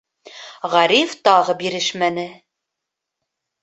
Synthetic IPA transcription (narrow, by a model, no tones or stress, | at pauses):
ʁæɾift̪ɑʁɤbiɾɘʃmænɘ